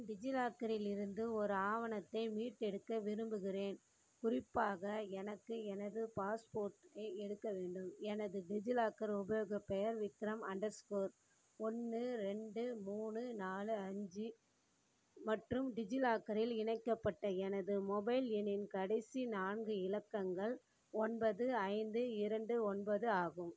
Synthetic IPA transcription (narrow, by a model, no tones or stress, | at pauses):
ɖɪd͡ʒɪlaːkɐɾɪlɪɾɯnd̪ɯɔɾɯaːʋɐnɐt̪ːɐɪmiːʈːɛɽɯkːɐʋɪɾɯmbɯɣɪɾeːn | kʊrɪpːaːɣɐɛnɐkːɯɛnɐðɯpaːspoːɾʈɐɪɛɽɯkːɐʋeːɳɖɯmɛnɐðɯɖɪd͡ʒɪlaːkːɐɾʊbɐjoːɣɐpɛjɐɾʋɪt̪ːɪɾɐmɐɳɖɐɾskoːɾ | ɔnːɯɾɛɳɖɯmuːnɯnaːlɯɐɲd͡ʒɯ | mɐʈrɯmɖɪd͡ʒɪlaːkɐɾɪlɪɳɐɪkːɐpːɐʈːɐɛnɐðɯmɔbɐɪlɛnɪnkɐɽɐɪsinaːɳɡɯɪlɐkːɐŋɡɐɭ | ɔnbɐðɯɐɪnd̪ɯɪɾɐɳɖɯɔnbɐðɯaːɣɯm